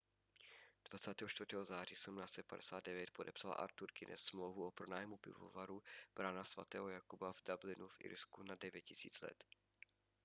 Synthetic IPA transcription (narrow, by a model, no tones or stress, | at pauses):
d̥vat͡saːt̪ɛːɦoʃt̪vrt̪ɛːɦozaːr̝iːsumnaːst͡sɛt̪padɛsaːd̚dɛvjɛt̪̚podɛpsala̰ʔa̰ɾt̪uɾkɪnʔɛ̰ssmlowvuopɾonaːjɛmupɪ̰vo̰vaɾub̥ɾanasva̰t̪ɛ̰ːɦojakubavdablɪnufʔɪ̰ɾskunadɛvjɛt̪̚cɪsḭːt͡slɛ̰t̪